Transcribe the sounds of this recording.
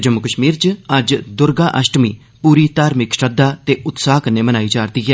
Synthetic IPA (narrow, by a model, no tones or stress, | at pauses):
d͡ʒəmːʊkəʃmiːɾt͡ʃəd͡ʒd̪ʊɾɡaːʔəsʈmiː | puːɾiːt̪aːɾmɪkʃəd̪aːt̪eːʔʊt̪saːkəneːmənaːiːd͡ʒaːɾd̪iːɦɛː